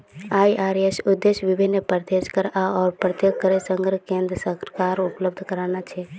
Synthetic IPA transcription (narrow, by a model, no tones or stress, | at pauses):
ajʔaɾesud̪ːesʋibʱinːəpəɾt̪ed͡ʒkəɾaɔːɾpɾət̪joɡ̚kəɾesəŋɡɾəkẽnd̪ɾəsəkaɾupləb̚d̪ʱkəɾanat͡ʃʰɛ